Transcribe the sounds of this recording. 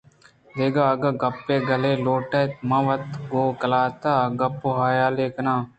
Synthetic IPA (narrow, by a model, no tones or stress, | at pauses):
d̪eːɡaːɡɐɡɐpːeːɡɐleːloːʈet̪mɐʋət̪ɡoːkəlaːt̪aːɡɐpːoɦaːjaːleːknaː